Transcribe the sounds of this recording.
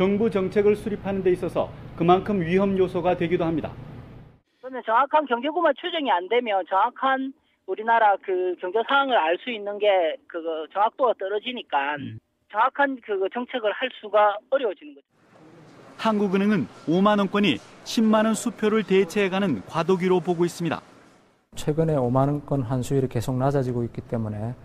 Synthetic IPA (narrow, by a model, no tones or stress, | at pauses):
t͡ɕʌŋbut͡ɕʌŋt͡ɕʰe̞ɡɯɭsʰuɾipʰanɯnde̞is͈ʌsʰʌ̰kɯmankʰɯmɥiɦʌmjosʰʌɡatwe̞ɡidoɦamɲida̰ | ɾʌnɯnt͡ɕʌŋakʰankjʌŋɡeɡumant͡ɕʰud͡ʑʌŋiandwe̞mjʌnt͡ɕʌŋakʰan | uɾinaɾakɯkjʌŋɡosʰaaŋɯɾaɭs͈uinːɯnɡe̞kɯɡt͡ɕʌŋak̚t͈oɡat͈ʌɾʌd͡ʑiɲik͈an | t͡ɕʌŋakʰankɯt͡ɕʌŋt͡ɕʰeɡɯɭhaɭs͈uɡaʌɾjʌwd͡ʑinɯnɡʌd͡ʑo | hanɡuɡɯnɯŋɯnomanʌnk͈wʌɲiɕʰimːanɯnsʰupʰjoɾɯɭte̞t͡ɕʰeɦːɡanɯnkwadoɡiɾopoɡois͈ɯmɲida̰ | t͡ɕʰwe̞ɡɯne̞omanɯnk͈wʌnɦansʰuiɾɯke̞sʰok̚nad͡ʑad͡ʑiɡoik͈it͈e̞mune̞